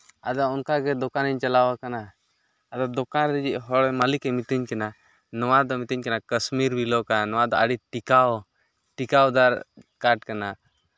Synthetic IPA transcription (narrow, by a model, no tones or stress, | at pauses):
a̰d̪aɔnkaɡɛd̪ɔkaniɲt͡ʃalawakanaː | d̪ad̪ɔkanɾɛd͡ʒiʔɦɔɽɛmalikɛmit̪iɲkɛna | nɔwad̪ɔmit̪iɲkanakəsmiɾbilɔkanɔwad̪ɔaɽiʈikawɔ | ʈikawd̪aɾkaʈ̚kana